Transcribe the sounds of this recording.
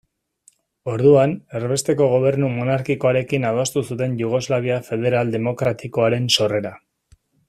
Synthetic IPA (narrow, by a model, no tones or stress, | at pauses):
o̞ɾðuane̞ɾβe̞st̪e̞ko̞ɣo̞β̞e̞ɾnumo̞naɾkiko̞aɾe̞kinaðost̪usut̪e̞nʝuɣ̞o̞zlaβ̞iafe̞ð̞e̞ɾald̪e̞mo̞kɾat̪iko̞aɾe̞nso̞re̞ɾa